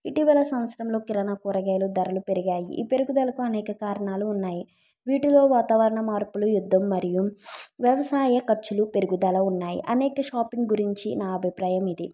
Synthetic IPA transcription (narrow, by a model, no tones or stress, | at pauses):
iʈiʋɐlɐsɐmʋɐt̪sɐɾɐmlo̞ːkiɾɐnɐkuːɾɐɡɛːlud̪ɐɾɐlupe̞ɾiɡaːjḭʔḭːpe̞ɾuɡud̪ɐlɐkuɐnɛːkɐkaːɾɐɳaːluːnːaːji | ʋiːʈulo̞ːʋaːt̪aːʋɐɾɐɳɐmaːɾpulujud̪ʱːɐmːɐɾijuʋjɐʋɐsaːjɐkɐt͡ʃːulupe̞ɾuɡud̪ɐlɐunːaːjḭʔɐnɛːkɐʃaːpiŋɡɡuɾiɲt͡ʃinaːɐbʱipɾaːjɐmid̪i